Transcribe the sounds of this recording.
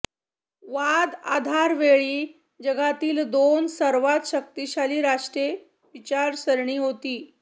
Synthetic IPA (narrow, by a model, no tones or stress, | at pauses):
ʋad̪ad̪ʱaɾʋeɭiː | d͡ʑəɡat̪iːld̪onsəɾʋat̪ɕək̚t̪iɕaliːɾaʂʈɾe | ʋit͡ɕaɾsəɾɳiːɦot̪iː